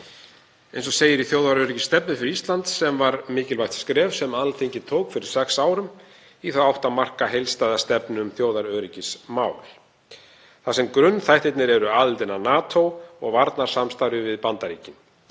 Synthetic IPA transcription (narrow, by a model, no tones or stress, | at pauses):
ejnsɔseːjɪɾiθjoːwðaɾœːɾicɪ̥st̪ɛpnʏfɪɾɪɾist̪lant̪sɛmvaɾmɪːcɪlvajt̪skɾɛːvsɛmalθeɲcɪt̪ʰoːwkfɪɾɪɾ̥sɛksaːwɾʏm | iθawawht̪amar̥kaɦejlst̪ajðast̪ɛpnʏʏmθjoːwðaɾœːɾicɪsmaːwl | θasɛmkɾʏnːθajht̪ɪt̪nɪɾɛɾʏaðɪlt̪ɪnanaːt̪ʰowɔɣvaɾt̪naɾ̥samst̪ajɾʏvɪðpant̪aɾiːcɪn